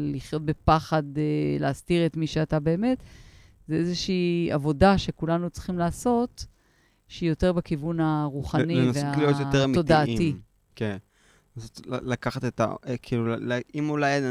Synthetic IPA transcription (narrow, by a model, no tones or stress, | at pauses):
liχjot̪̚bepaχadeleːstiʁet̪miʃeatabe̞ːme̞t | zeezeʃiːavo̞daʃe̞kulanut͡sχimlaːso̞t̪ | ʃeijo̞te̞ʁbakivunaʁuχanienveoalijot̪jot̪eʁmiod̪aiti | ken | enasotlakaχat̪et̪a̰kʰiːlullaimulaj